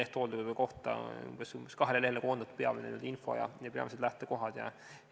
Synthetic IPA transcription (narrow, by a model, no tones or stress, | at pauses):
eht̪old̪ukuvoko̞ht̪ɑ̰ṵmb̥esumb̥eskɑɦelele̞hlekond̪ɑt̪peɑ̰minḛny̰ld̪info̞̰jɑ̰jɑpeɑ̰mised̪læht̪eko̞ɦɑd̪̥jɑ̰